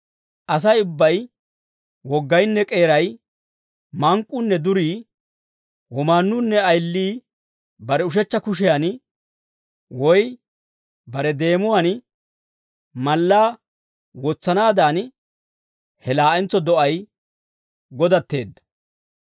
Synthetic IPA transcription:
ʔɐs̬ɐjʊbːɐj | wɔɡːɐjnːɛkʼe̞ːɾɐj | mɐŋkʼːʊnːɛd̪ʊɾiː | wɔmaːnːʊnːɛɐjlːiː | bɐɾɛʊʃ̬ɛt͡ʃːɐkʊʃ̬ɛjan | wɔj | bɐɾɛd̪e̞ːmʊwan | mɐlːaː | wɔt͡sːɐnaːd̪an | hɛlaːʔɛnt͡sːɔd̪ɔʔɐj | ɡɔd̪ɐt̪ːe̞ːd̪ːɐ̥

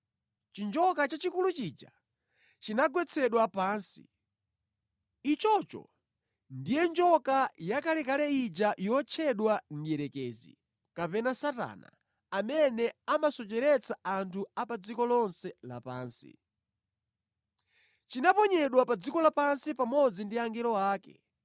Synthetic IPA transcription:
t͡ʃind͡ʒɔkat͡ʃat͡ʃikulut͡ʃiːd͡ʒa̰ | t͡ʃinaɡwɛt͡sʰɛɗwapaːnsḭ | it͡ʃɔt͡ʃɔ̰ | ndijɛnd͡ʒɔkajakalɛkalɛid͡ʒajɔt͡ʃʰɛɗwan̩jɛɾɛkɛːzḭ | kapɛnasata̰ːna̰ | amɛnɛamasɔt͡ʃɛɾɛt͡sʰaantʰuapad͡zikɔlɔnsɛla̰pa̰ːnsḭ | t͡ʃinapɔɲɛɗwapad͡zikɔlapansipamɔd͡zindiaŋɡɛlɔaːkɛ̰

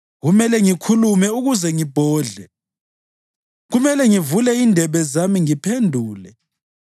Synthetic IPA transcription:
ɣumɛlɛŋikʰulumɛuɣuzɛŋib̥ʱɔːɮɛ | ɣumɛlɛŋivulɛindʱɛβɛzamiŋipʰendʱuːlɛ

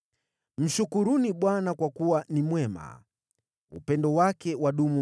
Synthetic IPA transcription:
m̩ʃukuɾuniɓwanakwakuwanimwɛma̰ | ṵpɛndɔwakɛwaɗumu

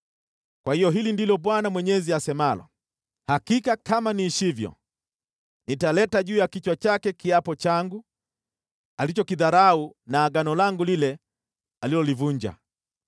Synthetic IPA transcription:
kwahijɔɦilindilɔɓwanamwɛɲɛziasɛmalɔ̰ | hakikakamaniːʃivjɔ̰ | nitalɛtaʄuːjakit͡ʃwat͡ʃakɛkiapɔt͡ʃaŋɡu | alit͡ʃɔkiðaɾaunaːɡanɔlaŋɡulilɛ | alilɔlivuɲd͡ʒa̰

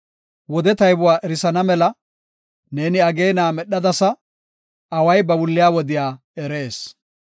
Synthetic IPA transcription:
wɔd̪ɛt̪ɐjbʊwaːʔɛɾɪsɐnɐmɛlɐ | ne̞ːnɪɐɡe̞ːnaːmɛɗɐd̪ɐsɐ | ɐwɐjbɐbʊlːɪjaːwɔd̪ɪjaː | ɛɾe̞ːs

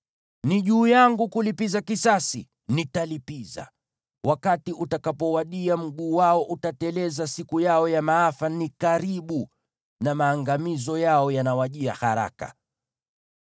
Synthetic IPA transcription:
niʄuːjaŋɡukulipizakisasi | nitalipiza̰ | wʔakatiʔutakapɔwaɗiam̩ɠuːwaɔʔutatɛlɛzasikujaɔjamaafanikaɾiɓu | namaːŋɡamizɔjaɔjanawaʄia̰haɾa̰ka̰

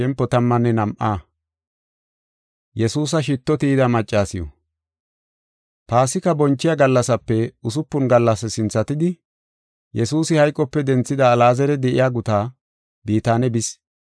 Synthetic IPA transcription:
ɛmpːɔt̪ɐmːɐnːɛnɐmʔaː | jɛsuːs̬ɐʃ̬ɪt̪ːɔt̪iːd̪ɐmɐt͡ʃʼːaːsɪjɔ̰ | paːsɪkɐbɔnt͡ʃːɪjaɡɐlːɐsɐpːɛʊs̬ʊpːʊnɡɐlːɐsɛsɪnt͡sːɐt̪ɪd̪ɪ | jɛsuːsɪhɐjkʼːɔpːɛd̪ɛnt͡sːɪd̪ɐːlaːzɛɾɛd̪ɛʔɪjaːɡʊt̪aː | biːt̪aːnɛbɪs

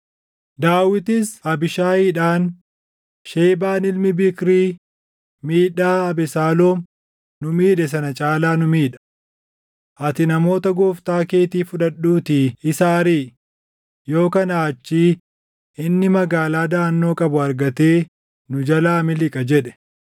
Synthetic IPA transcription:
d̪aːwɪt̪ɪsɐbɪʃaːiːᶑaːn | ʃeːbaːnɪlmɪbɪkɾiː | miːᶑaːɐbɛsaːloːm | nʊmiːᶑɛs̬ɐnɐt͡ʃʼaːlaːnʊmiːᶑɐ̥ | ʔɐt̪ɪnɐmo̞ːt̪ɐɡoːft̪aːke̞ːt̪iːfʊᶑɐɗːuːt̪iɪsaːɾiː | jo̞ːkɐnaːt͡ʃːiː | ɪnːɪmɐɡaːlaːd̪aːnːo̞ːkʼɐbʊɐɾɡɐt̪e̞ː | nʊd͡ʒɐlaːmɪlɪkʼɐd͡ʒɛᶑɛ̥

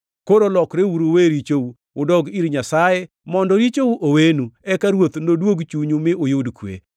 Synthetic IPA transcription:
koɾolɔkɾewuɾoweɾit͡ʃou | ʊdɔɡiɾɲasaje | mɔndɔɾit͡ʃouʔowenuɛkaɾwot̪nodwoɡt͡ʃuɲumɪʔojʊdkwḛ

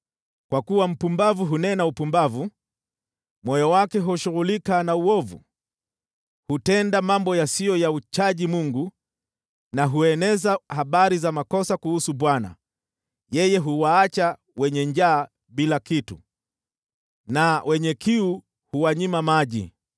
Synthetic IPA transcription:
kwakuwam̩pumbavuɦunɛnaupumbavu | mɔjɔwakɛɦɔʃuɣulikanauɔvṵ | hutɛndamambɔjasijɔjaut͡ʃaʄimuŋɡu | naɦuɛnɛzahaɓaɾizamakɔsakuhusuɓwana̰ | jɛjɛɦuwaːt͡ʃa | wɛɲɛɲd͡ʒaː | ɓilakitṵ | nawʔɛɲɛkiu | huwaɲimamaʄḭ

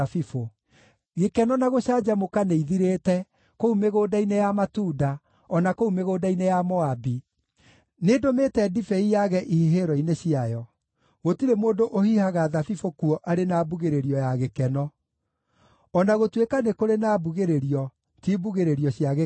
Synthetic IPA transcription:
afifo | ɣekɛnɔnaɣoɕaːd͡ʑamokaneiðiɾeːtɛ | koumeɣoːdainejamatuːda | ɔnakoumeɣoːdainejamɔabi | nedometɛdifɛijaɣɛʔihiɦeɾɔineɕiajɔ | ɣotiɾemoːndoʔohihaɣaðafifokuɔʔaɾenaːbuɣeɾeɾiɔjaɣekɛnɔ | ɔnaɣotwekanekoɾenaːbuɣeɾeɾiɔ | tibuɣeɾeɾiɔɕjaɣe

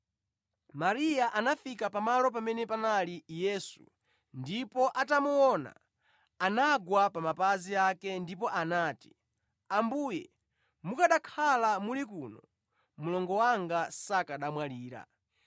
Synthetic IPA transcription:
maɾijaʔanafikapamalɔp̬amɛnɛpanalijɛːsṵ | ndipɔʔatamuɔna̰ | anaɡwapamapaziakɛndipɔʔanaːti̥ | ambuːjɛ | mukaɗakʰalamulikunɔ | mulɔŋɡɔwaŋɡasakaɗamwaliːɾa̰

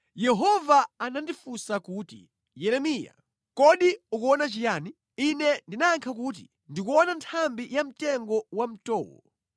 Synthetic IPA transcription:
jɛɦɔvaanandifusakuːtḭ | jɛɾɛmiːja̰ | kɔɗiukuɔnat͡ʃijaːni | inɛndinaːŋkʰak̬ut̬i | ndikuɔnantʰambijam̩tɛŋɡɔwam̩tɔːwɔ̰

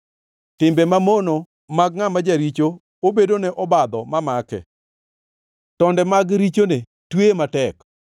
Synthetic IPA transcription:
tɪmbɛmamono | maɡŋamad͡ʒaɾit͡ʃo | obedonɛʔɔbad̪ɔmamakɛ̰ | tɔndɛmaɡɾit͡ʃone | twematɛk

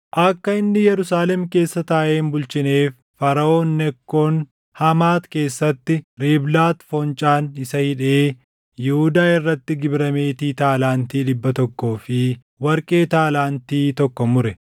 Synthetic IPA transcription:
ʔɐkːɐɪnːɪjɛɾʊsaːlɛmke̞ːsːɐt̪aːʔe̞ːnbʊlt͡ʃɪne̞ːfːɐɾɐʔo̞ːnːɛkːoːn | hɐmaːt̪ke̞ːsːɐt̪ːɪɾiːblaːt̪fɔnt͡ʃʼaːnɪsɐhɪᶑe̞ː | jɪhʊd̪aːɪrːɐt̪ːɪɡɪbɾɐme̞ːt̪iːt̪aːlaːnt̪iːᶑɪbːɐt̪ɔkːo̞ːfɪ | wɐɾkʼe̞ːt̪aːlaːnt̪iːt̪ɔkːɔmʊɾɛ

